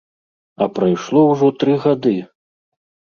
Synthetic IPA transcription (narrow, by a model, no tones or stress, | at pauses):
ɐpɾajʂlˠɔwʐɔt̪ɾɨɣad̪ɨ